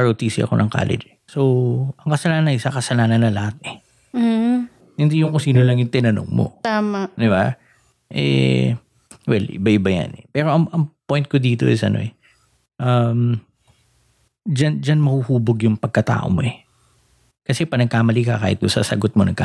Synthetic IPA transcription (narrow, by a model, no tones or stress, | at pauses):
ɐɾot̪iːsɪʔɐ̰ko̞̰nɐŋka̰ːlɛ̰d͡ʒɛsoʔɐŋkɐsɐlaːnɐnɪsɐkɐsɐlaːnɐnːɐlɐhat̪̚ɛ | hɪnd̪ijʊŋkosiːnolɐŋjʊŋt̪ɪnɐno̰ŋmo̰t̪aːmad̪ɪba | ʔɛ̰ | wɛlʔɪ̰baʔɪbɐjɐ̰nɛ̰pɛːɾo̞ʔɐŋʔɐŋpojnt̪̚kod̪iːt̪o̞ʔɪsʔɐ̰no̞̰ʔɛ | ʔɐm | d͡ʒand͡ʒɐnmɐhuhuːboɡjʊŋpɐɡ̚kɐt̪a̰ːʔo̞̰moʔɛ | kɐsɛpɐnɐɡ̚kaːmɐliːkɐkaːhɪt̪̚d̪ʊsɐ̰sɐɡot̪̚monɐɡka